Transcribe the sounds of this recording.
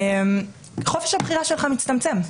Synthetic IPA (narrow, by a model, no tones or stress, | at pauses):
em | χofeʃhabχiʁaʃelχamit͡stamt͡se̞m